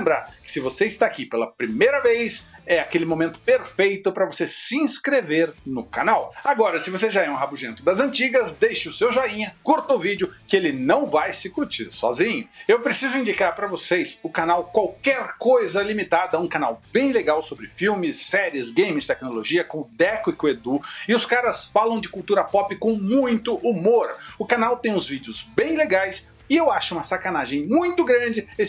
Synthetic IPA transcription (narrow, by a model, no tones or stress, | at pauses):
ẽmbɾaɾkɪ̥sɪvoseɪst̪aːkipelɐpɾimejɾɐvejsɛakelɪmõmẽnt̪ʊ̥peɾfejt̪ʊpɾɐvosesɪĩskɾeveɾnʊkanawaɡɔɾɐsɪvoseʒaɛũɦabuʒẽnt̪ʊd̪ɐzɐ̃nt͡ʃiɡɐzd̪ejʃɪʊsewʒaĩɲɐkuɾt̪ɐʊvid͡ʒʊkɪelɪnɐ̃w̃vajsɪkuɾt͡ʃiɾsɔ̰zĩɲʊewpɾesizʊĩnd͡ʒikaɾpɾɐvosesʊkanawkwawkɛɾkojzɐlimit̪ad̪ɐũkana̰wbẽj̃leɡawsobɾɪfiwmɪsːɛɾiɪzɡẽj̃mɪst̪ɛknoloʒiɐkõd̪ɛkʊɪkwed̪uɪʊskaɾɐsfalɐ̃w̃d͡ʒɪkuwt̪uɾɐpɔpɪkõmũj̃t̪ʊʔumoɾʊkanawt̪ẽj̃ʊ̃zvid͡ʒɪʊzbẽj̃leɡajs | ɪewaʃʊũmɐsakanaʒẽj̃mũj̃t̪ʊɡɾɐ̃d͡ʒɪ